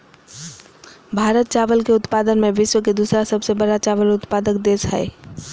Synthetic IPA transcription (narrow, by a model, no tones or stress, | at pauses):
bʱaːɾət̪̚t͡ʃaːʋəlkeʊt̪paːd̪ənmẽʋɪʃwəked̪uːsɾasɐbsebəɽat͡ʃaːʋəlʊt̪paːd̪əkd̪eːsɦɛ̰